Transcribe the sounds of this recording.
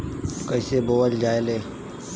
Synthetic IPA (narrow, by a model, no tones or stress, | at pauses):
kəɪseːboːət̪d͡ʒaːeleː